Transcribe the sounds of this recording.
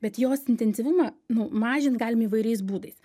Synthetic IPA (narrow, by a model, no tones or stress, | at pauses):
bʲɛt̪joːsɪnʲt̪ʲɛnʲsʲiʋʊmɐnʊmɑːʒʲɪnt̪ɡɑːlʲɪmiːʋɐɪɾʲɛɪs̬buːd̪ɐɪs